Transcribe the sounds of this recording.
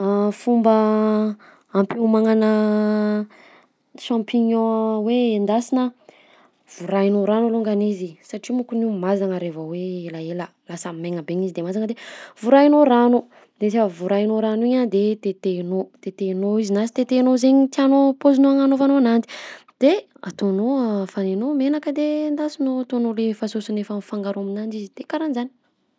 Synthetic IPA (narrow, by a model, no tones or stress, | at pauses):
afumbə | ampemaŋanə | ʃãmpiɲɔ̃weːnd̪asinə | v̥uɾainoɾanuluŋɡanizisaʈ͡ʂimukunimazaŋəɾevəweelaelə | lasameŋəbeɲizid̪emazaŋəd̪evuɾainoɾanu | d̪ezefəvuɾainoɾanuiɲand̪et̪et̪enot̪et̪enoizinasi̥t̪et̪enozeɲit̪ianopozinoaŋanovanoanant̪i̥d̪̥e | a̰t̪onofanenomenakəd̪end̪asinoat̪onolefasosunefənfaŋɡaɾaminand͡ʒizid̪̥ekaɾanzani̥